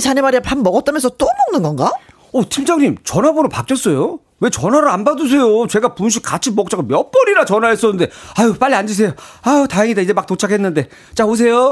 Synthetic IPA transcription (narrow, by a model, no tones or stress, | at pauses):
t͡ɕaɲemaɾiapanmʌɡʌt͈̚amjʌnsʰʌt͈omʌŋnɯnɡʌnɡa | otʰimd͡ʑʌŋɲimt͡ɕʌnɦabonɯpak͈jʌs͈ʌjo | we̞t͡ɕʌnɦaɾɯanbadɯs̬ʰe̞jot͡ɕe̞ɡapunɕ̬ʰik͈̚at͡ɕʰimʌk̚t͡ɕ͈aɡamjʌp͈ʌɾiɾat͡ɕʌnaɦes͈ʌnːɯnde̞ajop͈aʎːiand͡ʑis̬ʰe̞joajotaɦeŋidaid͡ʑe̞mak̚tot͡ɕʰakʰe̞nːɯnde̞ | t͡ɕaos̬ʰe̞jo